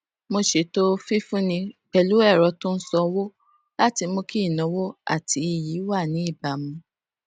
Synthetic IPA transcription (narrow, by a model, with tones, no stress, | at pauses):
mo˧ʃe˨to˦fi˦fũ˦nĩ˧k͡pɛ˨lu˦ɛ˦˨ɾɔ˧˦to˦n̩˦sɔ˧wo˦ | la˦ti˧mo˧ki˦˨nɔ̃˨˦wo˦a̰˦˨tʰi˨˦i˨ji˨˦wa˦˨nĩ˨˦i˦˨ba˨mũ˧